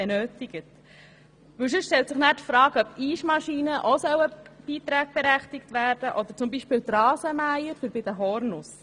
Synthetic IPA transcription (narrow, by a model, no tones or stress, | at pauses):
ɛnøːtɪɡ̥ət | ʋɵws̬ʉsʃtɛlt̪sɪχnæːɾtfɾɑːkœbiːʃmɑʃiːnəʔosœwəb̥iːt̪ɾæːɡ̚b̥ɛɾæχtɪktʋæːɾd̥əʔɔd̪əɾt͡sʊmbiːʃpɪːlt̪rɑːsəmæjəɾfyɾbɪd̥̪əɦɔɾnʊs